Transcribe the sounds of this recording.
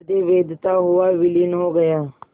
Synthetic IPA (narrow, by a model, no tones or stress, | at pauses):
d̪eːʋeːd̪t̪aːɦʊaːʋɪlɪnɦoːɡəjaː